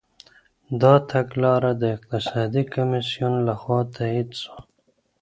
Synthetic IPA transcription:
d̪ɑt̪ʰaɡlɑːɾad̪əɪq̚t̪ɪsɑːd̪ikamisijunlaxwɑːt̪ʰaid̪su̥

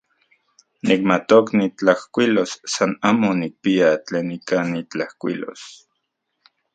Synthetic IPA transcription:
nik̚mat̪oknit͡ɬahkʷilosːanaːmonik̚piat͡ɬeːnikanit͡ɬahkʷḭlo̰s

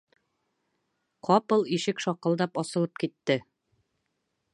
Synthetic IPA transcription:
qɒpɤlˠiʃɘkʃɒqːɤ̆lˠd̪ɑpɒsɤ̆lˠɤp̚kit̪ːɘ

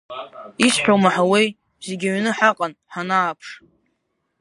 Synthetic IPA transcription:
iʃħʷᶣowmaħawej | zeɡʲaɥnɨħaqʼanħanaːpʰʂ

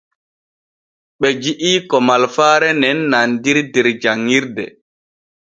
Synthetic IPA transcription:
ɓɛd͡ʒiʔiːkɔmalfaːɾɛnɛnːandiɾdɛɾd͡ʒaŋːiɾdɛ̰

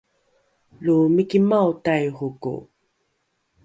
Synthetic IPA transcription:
lumikimawtajʁukṵ

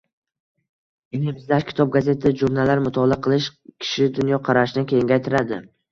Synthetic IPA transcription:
eŋɪbɪzd̪aʃkʲʰɪ̥t̪ʰɒb̚ɡaze̞t̪ʰd͡ʒuɾnalːaɾmʊt̪ʰɒlˠaqʰɨlˠɪʃkʲʰɪ̥ʃɪd̪ʊnjɒqʰɑɾaʃɪnɪkʲʰejɪŋɡʲajt̪ʰɪɾad̪ɪ̰

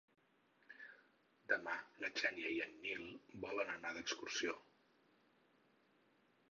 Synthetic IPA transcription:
d̪əmalət͡ʃanjəjənːilˠbɔlənənaðəkskursio

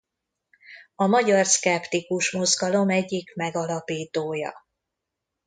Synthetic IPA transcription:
ɒmɒɟɒrskɛpt̪ikuʃmo̞zɡɒlo̞mɛɟːikmɛɡɒlɒpiːt̪oːjɒ̰

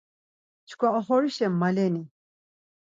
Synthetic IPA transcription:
t͡ʃʰkʰwaɔχɔɾiʃɛmːalɛni

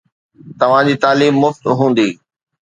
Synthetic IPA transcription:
t̪ɐʋ̤ãd͡ʑiːt̪aːliːmːʊft̪ɦũːn̆d̪iː

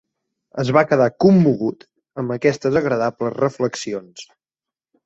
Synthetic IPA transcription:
əzβakəðakumːuɣ̞ut̪ | əmbəkɛst̪əzəɣɾəðapləzrəfləksions

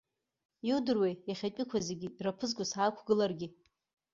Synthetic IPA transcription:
iwdɨrwejjaχʲat͡ʃʷʼɪkʷʰazeɡʲiirapʰɨzɡʷʊsaːkʷʰɡɨlarɡʲi

